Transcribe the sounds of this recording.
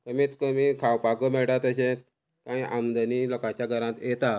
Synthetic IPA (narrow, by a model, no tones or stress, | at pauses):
kəmiːt̪kəmiːkʰawpakəmɛɭʈat̪əɕẽ | kãjʔamd̪əniːlɔkat͡ɕjaɡʱəɾãt̪jet̪a